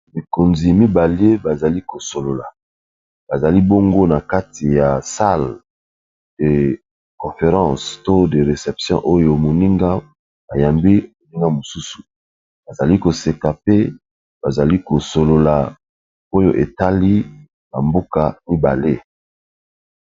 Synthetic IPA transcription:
mi˨ko˨nzi˨mi˦ba˨le˦ba˨za˨li˦ko˨so˨lo˨la˨ | b̥a˨za˨li˦bo˦ŋɡo˦na˨ka˦ti˨ja˨sa˦l | d̥e˨ | kɔ̃˨fe˨ʁɑ̃˦˨sto˦de˨ʁe˨sɛ˨psjɔ̰̃˦ʔo˦jo˨mo˨ni˦ŋɡa˦ | ba˨ja˨mbi˦mo˨ni˦ŋɡa˦mo˨su˦su̥˨ | ba˨za˨li˦ko˨se˨ka˨pe˦ | b̥a˨za˨li˦ko˨so˨lo˨la˨ | o˦jo̰˨ʔe˨ta˦li˦ | na̰˨mbo˦ka˨mi˦ba̰˨le˦

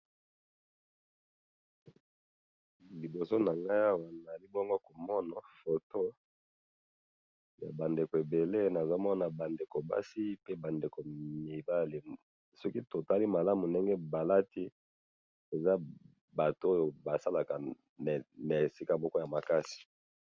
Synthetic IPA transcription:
li˨bo˨so˦na˨ŋɡa˦a˦wa˨na˨li˦bŋɡo˦ko˨mɔ˦na˨fo˨to˦ | ja̰˨ba˨nde˨ko˨e˨be˨le˦na˨za˦mɔ˦na˨ba˨nde˨ko˨ba̰˦si˦pe˦ba˨nde˨ko˨mi˨ba˦li˨ | sɔ˦ki˦to˨ta˦li˦ma˨la˦mu˨nde˦ŋɡe˦ba˨la˦ti˦ | e˨za˦ | ba˨to˨o˦jo˨ba˨sa˦la˨ka˨ | n˨na˨e˨si˦ka˦mɔ˦kɔ˦ja˨ma˨ka˦si̥˨

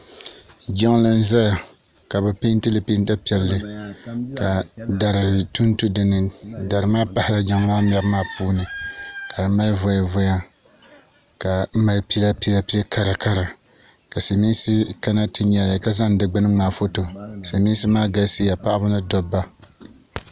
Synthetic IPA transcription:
d͡ʒɛ˦ŋ˦la˦n̩˦za˦ja˨ | ka˨bɛ˨pe˦n˦tɨ˦lɨ˨pi˦n˦ta˦pi˨˦ɛ˨lːɨ˦˨ | ka˨da˨ɾɨ˨tu˦n˦tu˦dɨ˨nɨ˨da˨ɾɨ˨maː˦pa˨˦hɪ˦la˦d͡ʒa˦ŋ˦maː˦mɛ˨bmaː˦puː˦nɨ˨ka˨dɨ˨ma˦lvo˨ja˨vʊ˦ja˦ | ka˨˦ma˦lpi˦la˦pi˦la˨pi˦a˦ka˨ɾa˨ka˦ɾa˨ | ka˨sa˨mi˦n˦si˦ka˦na˦tɨ˦ɲa˨ɾa˨ka˦za˦n˨dɨ˨ɡ͡bɨ˦nɨ˦ŋ͡maː˨fo˦to˨sa˨mi˦n˦sɨ˦maː˦ɡa˨˦si˦ja˨pa˦ʔa˦bʊ˦nɨ˦dɔ˨bːa˦

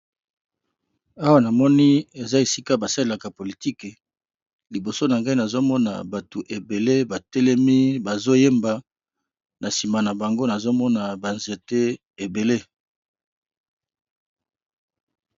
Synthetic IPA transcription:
a˦wa˦na˨mɔ˦ni˦e˨za˦e˨si˦ka˦ba˨sa˦le˦la˨ka˨po˨li˨ti˦k | li˨bo˨so˦na˨ŋɡa˦i˦na˨zo˦mɔ˦na̰˨ba˨tu˨ʔe˨be˨le˦ba˨tɛ˦lɛ˦mi˦ba˨zo˦je˦mba˨ | na˨si˨ma˨na˨ba˨ŋɡo˦na˨zo˦mɔ˦na˨ba˨nze˨te˦ | e˨be˨le˦

